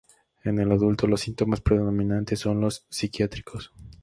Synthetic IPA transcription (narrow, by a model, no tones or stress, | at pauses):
e̞ne̞laðult̪o̞lo̞sːint̪o̞maspɾeðoo̞mĩnãnt̪esːo̞nlo̞sːikjat̪ɾikʰo̞s